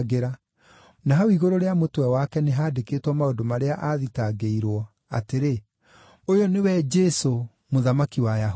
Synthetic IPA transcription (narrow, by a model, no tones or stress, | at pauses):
ɣeɾa | naɦaiɣoɾoɾeamotwɛwakɛneɦaːdekeːtwɔmaodomaɾeaʔaðitaɡeiɾwɔ | a̰teɾe | ojɔnewɛd͡ʒɛso | moðamakiwaja